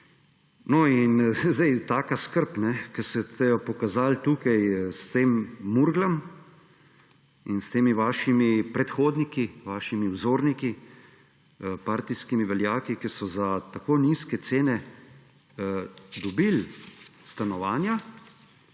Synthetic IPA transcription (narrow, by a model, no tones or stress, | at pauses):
nɔinzd̪ɛjt̪aːkaskəɾpnɛkɛsɛt̪ɛjɔpɔkazalt̪uːkajst̪eːmːuɾɡlam | inst̪eːmiʋaːʃimipɾɛt̪xoːd̪nikiʋaːʃimiwzoːɾniki | paːɾt̪iskimiʋɛljaːkikisɔzat̪akoːniːskɛt̪seːnɛ | d̪ɔbilst̪anɔʋaːnja